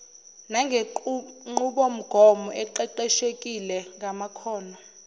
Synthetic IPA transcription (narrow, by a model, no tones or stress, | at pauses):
naŋʱeŋ͡ǃuɓom̩ɡ̥ʱɔmɔʔɛǃɛǃɛʃekʼilɛŋamakʰɔːnɔ